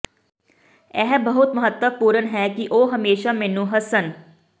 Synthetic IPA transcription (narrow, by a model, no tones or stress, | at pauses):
ɛɦbəɦʊt̪mɐɦət̪wəpuːɾənɦɛkiʔoːɦɐmeːʃamɛːnũɦɐsən